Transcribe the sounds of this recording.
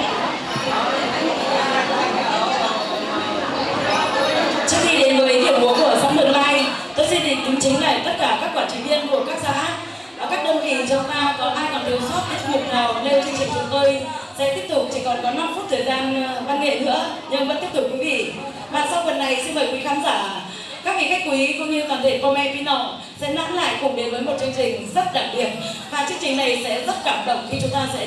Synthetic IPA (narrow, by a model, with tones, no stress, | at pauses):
a˨˩˧t̪ʰəː˨˩zaː˧˩nlaː˧˩k̪ə˧˩aː˨˧˩ŋka˨˧˦a˧˩w | t͡ɕɨ˦˥əkxi˧˩ɗe˨˦nvəː˨˦i˨˦t̪ʰi˧˩əwɓu˨˦ku˧˩əzaː˧mɗɨ̰˨˧˩əŋlaː˧j | t̪o˧jzwi˧ɗḭ˧˨ŋ̟t̪i˨˦ŋt͡ɕï˨˦ŋ̟la̰ː˧˨t̪ə˦˥t̚kaː˧˩kaː˦˥kːwaː˧˩t͡ɕï̟˨˩vi˧ənku˧˩əkaː˦˥k̚zaː˧˩ʔaː˦˥t̚ | a˨˩kaː˦˥k̚ɗə˧wŋ͡mkḭ˧˩˨t͡ɕɔ˧t̪aː˧kɔ˨˦ʔaː˧jkaː˨˩nɗɨ˨˩əwsə˦˥t̚t̪i˦˥t̚ŋʊ˨˩p̚naː˨˩wne˧wt͡ɕi˧ŋt͡ɕï˨˩ŋt͡ɕʊ˨˩˦ŋ͡mt̪o˧jsɛ̰˧˥t̪i˦˥əp̚t̪ʊ˨˩p̚t͡ɕi˧˩kɔ˨˩nkɔ˨˦na˧mfu˦˥t̚t̪ʰəː˨˩jzaː˧nɓaː˧nŋḛ˨˧˨p̚nɨ̰˧˥əɲə˧ŋŋ͡mvə˨˦˥t̪i˦˥əp̚t̪ʊ˨˩kwi˨˦vḭ˧˨ | vaː˨˩sa˧wfə˨˩nːa˨˩jsi˧nɓəː˨˩jkwi˨˦xaː˨˦mzaː˧˩ | kaː˦˥k̚ḭ˧˥ka˦˥k̚kwi˨˦kʊ̰˧˦ŋ͡mɲɨ˧vaː˨˩nt̪ʰi˧˩nkɔ˧mɛ˧ki˨˦nɔ˨˩w | sɛ̰˧˥na̰˧˥nla̰ː˧˨jkʊ˨˩ŋ͡mɗe˨˦nvəː˨˦jmo˨˩t̚t͡ɕɨ˧əŋt͡ɕï˨˩ŋ̟zə˦˥t̚ɗa̰ː˨˩k̚ɓi˨˩ə˩t̚vaː˨˩t͡ɕɨ˧əŋt͡ɕï˨˩ŋ̟na˨˩jsɛ̰˧˥zə˦˥t̚kaː˧˩mɗə̰˧˨ŋ͡mxi˧t͡ɕʊ˨˦ŋ͡mt̪aː˧sɛ̰˧˥